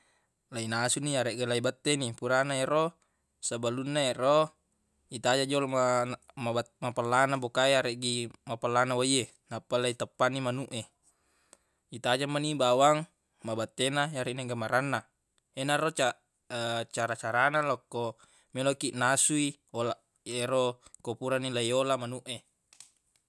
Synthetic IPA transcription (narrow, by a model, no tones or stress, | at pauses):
lainasuniaɾeʔɡelaibat̪ːenipuɾanaero | sabalunːaero | it̪ad͡ʒad͡ʒolamaamapalːanabokaiaɾeʔɡimapalːanawaie | napːalait̪apːanimanuʔe | it̪ad͡ʒamːanibawaŋ | mabat̪ːenajaɾeʔneŋɡamaɾanːa | enarot͡ʃa | t͡ʃaɾat͡ʃaɾanalokːo | melokiʔnasui | ola | eɾokopuɾanilajolamanuʔe